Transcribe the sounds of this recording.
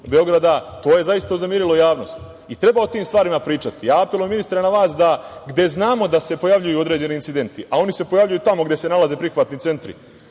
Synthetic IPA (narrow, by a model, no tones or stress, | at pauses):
beo̞ɡɾad̪at̪o̞ːje̞zaist̪auznemjeɾilˠo̞jaːʋno̞̰st̪ | it̪ɾe̞baot̪iːmst̪ʋaːɾimapɾiːt͡ʃat̪ijaːapelueminist̪ɾanaʋaːsd̪aɡd̪e̞znaːmo̞d̪ase̞po̞jaʋʎujuo̞d̪ɾe̞ːd͡ʑe̞niːnsid̪e̞nt̪iʔao̞nise̞po̞javʎʲujut̪amo̞ɡd̪e̞se̞nalˠaze̞pɾixʋat̪nit̪se̞nt̪ɾḭ